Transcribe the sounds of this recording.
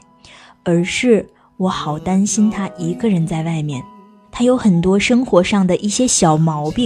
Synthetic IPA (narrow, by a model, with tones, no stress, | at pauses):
ə˞˧˥ʂɻ̩˥˩ | wɔ˧˥xɑ˨˩ʊt̪a˥nɕi˥nt̪ʰa˥ʔi˧˥ɡə˧ɻə˧˥nt͡sa˥˧ɪwa˥˩ɪmjɛ˥˩n | t̪ʰa˥jo˧˥ʊxə˨˩nt̪wɔ˥ʂɤ˥ŋxwɔ˧˥ʂɑ˥˩ŋd̪ə˩ʔi˥˩ɕjɛ˥ɕjɑ˨˩ʊmɑ˧˥ʊpi˥˩